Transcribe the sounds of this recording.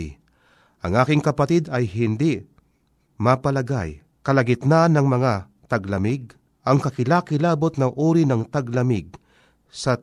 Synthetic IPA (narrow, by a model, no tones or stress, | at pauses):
ʔɐŋʔaːkɪŋkɐpɐt̪id̪ɐjɦɪnd̪i | mapɐlɐɡa̰j | kɐlɐɡɪt̪nanɐŋmɐŋa | t̪ɐɡlɐmɪɡ̚ | ʔɐŋkɐkɪlakɪlaːbot̪̚nɐʔuːɾinɐŋt̪aɡlɐmɪɡ̚ | sɐ